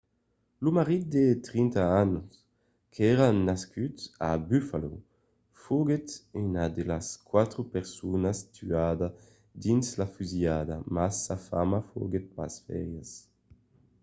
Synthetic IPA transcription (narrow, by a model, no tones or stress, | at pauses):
lumaʁit̪̚d̪et̪ɾint̪aanus | kʰɛɾanaskyt̪a̰byfalo | fuɡet̪ynad̪elaskwat̪ɾupɛʁsunast̪ʰyad̪a | d̪inslafyzjad̪amasːafa̰mafo̰ɡet̪̚pa̰sfɛ̰ɾjas